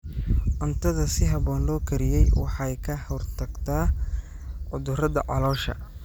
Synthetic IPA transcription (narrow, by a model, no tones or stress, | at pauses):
ʔʊnt̪ʰɐðɐsɪɦɑβɔːnlɔːkʰɐɾɪjɛjwɑ̰ħɑjkʰɐhɔrt̪ʰɐɡt̪ʰaː | ʕʊðʊrɐðɐ̰ʕɑ̰lɔːʃɐ̰